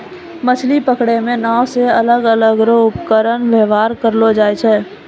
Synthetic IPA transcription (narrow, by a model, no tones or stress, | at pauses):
mət͡ʃʰlipəkɽemẽnaːwseɐləɡələɡɾoʊpkəɾənʋəːʋaːɾkəɾlod͡ʒaːjt͡ʃʰɛː